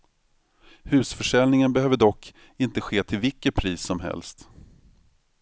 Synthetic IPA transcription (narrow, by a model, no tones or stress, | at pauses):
hʉ̟ːsfœʂɛlnɪŋənbɛhøːvəɖɔkː | ɪnt̪əɧeːt̪ʰɪlvɪkːəpʰɾiːsɔmɦɛ̰lst̪